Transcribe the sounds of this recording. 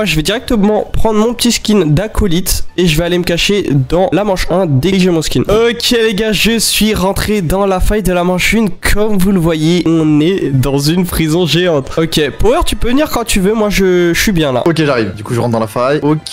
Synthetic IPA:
aʒəvɛd̪iʁɛk̚t̪əmɑ̃pχɑ̃d̪ʁmɔ̃pə̥t̪iskʲind̪akʰɔlit̪eʒəvɛaleməkaʃed̪ɑ̃lamɑ̃ʃɛ̃d̪eɡiʒemɔ̃skʲinokʲʰeleɡʲaʒəsɥiʁɑ̃t̪χed̪ɑ̃lafajd̪əlamɑ̃ʃynkʰɔmvuləvwajeɔ̃nɛd̪ɑ̃zynpχizɔ̃ʒeɑ̃t̪ɔkʲepoɛʁt̪ypøvəniʁkɑ̃t̪yvømwaʒəsɥibjɛ̃la̰okʲeʒaʁivd̪ykuʒəʁɑ̃t̪̚d̪ɑ̃lafajokʲ

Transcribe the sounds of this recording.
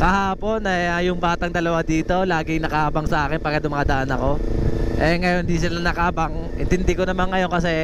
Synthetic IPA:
kɐhaːpo̞nɐɐjʊŋbaːt̪ɐŋd̪ɐlɐwad̪iːt̪o̞laːɡɪnɐkɐhaːbɐŋsɐʔaːkɪnpɐɡkɐd̪ʊmɐŋad̪ɐʔanɐko̞ʔɛŋɐjond̪isɪlaɐnɐkabaŋʔɪnt̪ɪnd̪ɪkonɐmanːɐjo̞nkɐs̬ɛ

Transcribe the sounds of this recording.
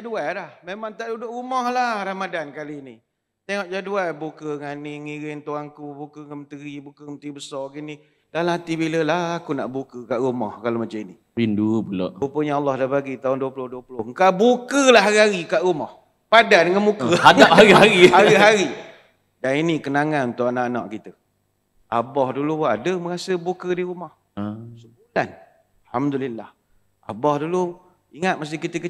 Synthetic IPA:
d͡ʒadualahmemaŋt̪aʔdudʊʔɾumɔhlahɾamadankalini | t̪eŋɔʔd͡ʒaduabukəŋaniŋiɾɪnt̪oaŋkubukəŋəmət̪əɾibukəŋənt̪ibəsɔrɡini | dalamɦat̪ibiləlahakuna̰ʔbukəkaʔɾumɔ̰hkalomat͡ʃamini | pindupulɔ̰ʔupəɲaalːɔhdabaɡit̪aʊnduəpulʊhduəpulʊhŋkabukəlaɦaɾiɦaɾikaʔɾumɔh | padadəŋanmukəadap̚haɾiɦaihaɾiɦaɾi | daninikənaŋannt̪ʊʔanaʔna̰ʔkit̪ə | abɔhduluadəməŋasəbukədiɾumɔh | səbulan | lhamdulilːah | a̰bɔhdulʊ | iŋat̪̚mas̬t̪ihkit̪əkə

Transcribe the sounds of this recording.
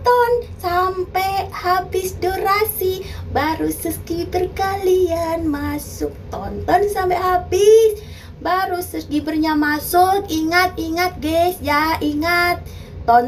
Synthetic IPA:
t̪ɔnsampɛhabɪsdoɾasibaɾusəskibərkalianmasʊk̚t̪ɔnt̪ɔnsampɛʔɦabɪs | baɾusəsdibərɲamasʊkiŋat̪iŋat̪̚ɡɛsjaʔiŋat̪̚ː | ɔn

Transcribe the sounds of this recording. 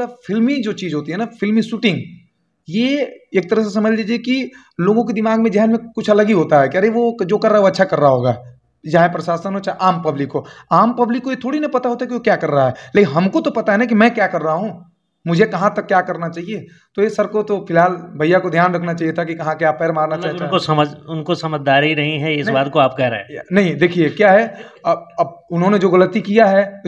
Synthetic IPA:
ɾafʰɪlmid͡ʒoːt͡ʃiːzɦoːt̪iɦɛnafʰɪlmisuːʈɪ̃ŋɡ | jeeːk̚t̪ɐɾəɦs̬esɐməd͡ʒʱliːd͡ʒieki | loːɡõk̬ed̪ɪmaːɡmẽd͡ʒɛɦənmẽkʊt͡ʃʰɐləɡiɦoːt̪aɦɛkiɐɾeʋod͡ʒoːkɐɾːaɦɛʋoɐtːʃʰakɐɾːaɦaɦoːɡaː | d͡ʒaːẽpɾɐʃaːsənɦoːt͡ʃaːʔaːmpɐblɪkːoaːmpɐblɪkːojet̪ʰoːɽinɐpɐt̪aɦoːt̪aɦɛkiʋokjaːkɐɾːaɦaɦɛleːkɪnɦɐmkot̪opɐt̪aɦɛnãkimɛ̃kjaːkɐɾːaɦaɦũ | mʊd͡ʒʱekɐɦãt̪ɐkːjaːkɐɾnat͡ʃaːɦie | t̪ojesɐb̚kot̪ofɪlɦaːlbʱɐjakod̪ʱjaːnɾɐkʰnat͡ʃaːɦijet̪ʰakikɐɦãkeaːpːɛːɾmaːɾnat͡ʃaːɦeosɐməd͡ʒʊnkosɐməd͡ʒd̪aːɾiɾɐɦĩɦɛɪsbaːd̪̚koaːp̚kɛɦɾ̰ḛ̃ːnɐɦĩd̪eːkʰiekjaːɦɛɐbɐbʊnɦõned͡ʒoːɣɐlət̪ikijaɦɛ

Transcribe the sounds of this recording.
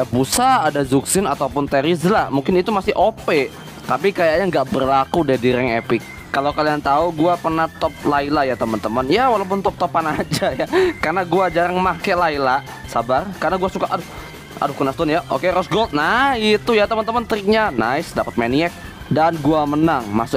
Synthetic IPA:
jabusaːdazuksɪnat̪aupʊnt̪eɾizlamuŋkɪnit̪umasɪhʔopɛ | t̪ap̬ikajaʔɲaŋɡaʔbərlakudɛdiɾɛŋepɪkː | alokaliant̪auɡuapərnaht̪ɔp̚lailajat̪əmənt̪əmənjawalaup̬ʊnt̪ɔp̚t̪ɔpanad͡ʒajakarnaɡuad͡ʒaɾaŋmakɛlaila | sabarkarnaɡuasukaʔadʊ | a̰dʊkənast̪ʊnjaʔo̰keɾɔsɡolt̪̚nait̪ujat̪əmənt̪əmənt̪ɾɪk̚ɲana̰ɪsdapət̪̚maniɛk̚ | danɡuamənaŋmasʊ

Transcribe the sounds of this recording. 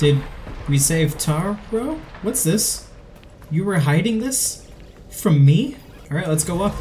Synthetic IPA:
d̥ɪd̚ɹiseɪv̥tʰɑɹʰɹoʊwʌtsðɪs | jɨwə˞ɦaɪɾɪ̃ŋðɪs | fɹʌ̃mːi | ɑlˠɹaɪt̚ˡlətsɡ̥oʊʌp

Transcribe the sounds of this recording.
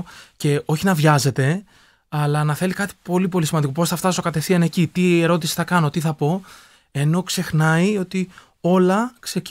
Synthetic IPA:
ce̞o̞çinɐvʝɐze̞t̪e̞ | ɐlɐnɐθe̞likɐt̪i̥po̞lip̬o̞lisimɐnd̪ikoposθɐft̪ɐso̞kɐt̪e̞fθiɐne̞cit̪ie̞ɾo̞t̪isi̥θɐkɐno̞t̪iθɐpo̞ | e̞no̞kse̞xnɐio̞t̪i | o̞lɐkse̞c

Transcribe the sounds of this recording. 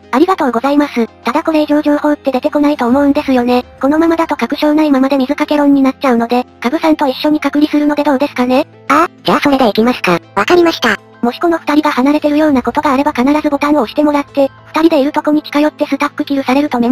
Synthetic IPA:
aɾʲiɡat̪o̞ːɡo̞zaimasɨt̪ad̪ako̞ɾe̞iʑo̞ːʑo̞ːho̞ːt̪ːe̞d̪e̞t̪e̞ko̞nait̪o̞ːmo̞ɯ̟̃nd̪e̞sɨjo̞ne̞ko̞no̞mamad̪at̪o̞kakɯ̟ɕo̞ːnaimamad̪e̞mʲizɨkake̞ɾõ̞ɲ̟ːinat͡ɕaɯ̟no̞d̪e̞kabɯ̟sãnt̪o̞iɕːo̞ɲ̟ikakɯ̟ɾʲisɨɾɯno̞d̪e̞d̪o̞ːd̪e̞sɨ̥kane̞ | ad͡ʑaːso̞ɾe̞d̪e̞ikʲimasɨ̥kaβakaɾʲimaɕi̥t̪a | mo̞ɕi̥ko̞no̞ɸɯ̟̥t̪aɾʲiɡahanaɾe̞t̪e̞ɾɯ̟jo̞ːnako̞t̪o̞ɡaːɾe̞bakanaɾazɨbo̞t̪ãɰ̃oːɕi̥t̪e̞mo̞ɾat̪ːe̞ɸɯ̥t̪aɾʲid̪e̞iɾɯ̟t̪o̞ko̞ɲ̟ikʲi̥kajo̞t̪ːe̞sɨt̪apːɯ̟kʲiɾɯ̟saɾe̞ɾɯ̟t̪o̞me

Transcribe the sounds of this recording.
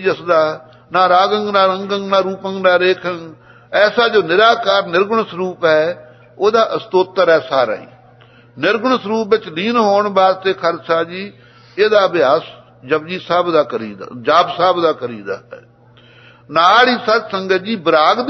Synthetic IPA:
d͡ʒəsd̪aː | naːɾaːɡə̃ŋɡnaːɾəŋɡəŋɡnaːɾuːpə̃ŋɡnaːɾeːkʰəŋ | ɛːsaːd͡ʒoːnɪɾaːkaːɾnɪɾɡʊɳsəɾuːpɦɛː | oːd̪aːʔəst̪oːt̪ːəɾɛːsaːɾa̰ḭː | nɪɾɡʊɳsəɾuːpʋɪt͡ʃliːnɦoːɳbaːd̪̚t̪eːkʰəɾsaːd͡ʒiː | eːd̪aːbɪjaːs | d͡ʒəbd͡ʒiːsaːbd̪aːkəɾiːd̪a̰d͡ʒaːbsaːbd̪aːkəɾiːd̪a̰ːɦɛ̰ː | naːɽiːsəɾsəŋɡəd͡ʒiːbəɾaːɡd̪

